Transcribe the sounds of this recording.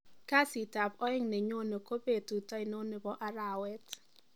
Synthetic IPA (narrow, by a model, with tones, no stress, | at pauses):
ka˦si˨ta˨pɔ˦ɪ˦ŋne˨ɲo˦ne˨ko˦be˦˨tu˨ta˦ɪ˨no˦ne˨bɔ˦ʔa˦ɾa˨wɛ˦t